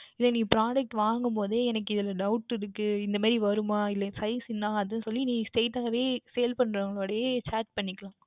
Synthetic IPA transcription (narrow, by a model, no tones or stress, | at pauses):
ɪlːɛniːpɪɾaːɖɐk̚ʈʋaːŋɡɯmpoːðɯɛnɐk̬ːɯɪðɪlɐɖɐʊʈɪɽɯkːɯɪnd̪ɐmaːðɾiʋɐɾɯmaːɪlːɐsɐɪsɪnːaːɐðɐnɯsɔlːinĩːsʈeːʈːaːɣɐʋeːsɛjlpɐɳːɾɐŋɡɐɭoːɽɐjeːt͡ʃaːɾʈ̚pɐɳːɪkːɐɭãː